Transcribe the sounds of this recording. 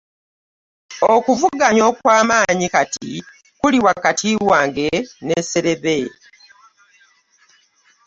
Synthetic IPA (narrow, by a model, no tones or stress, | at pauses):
okuvuɡaɲo̞ːkwaːmaːɲikatḭ | kuliwakatʰiwaːŋɡe̞nese̞ɾe̞βe